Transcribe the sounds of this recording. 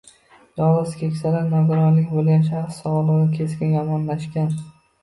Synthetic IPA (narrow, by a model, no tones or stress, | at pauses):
j̪ɒlˠɪskʲʰe̞kʲsalaɾnɒɡɪɾɒnlɪkʲbolˠɡʲanʃ̬aɾsɒwlˠɨɪkʲʰe̞skʲɪnjɒmɒnlaʃkʲan